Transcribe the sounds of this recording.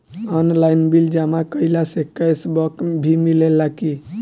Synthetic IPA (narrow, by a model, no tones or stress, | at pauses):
ənlajnbild͡ʒamakəilasekajsbɔkbʱimilelːaki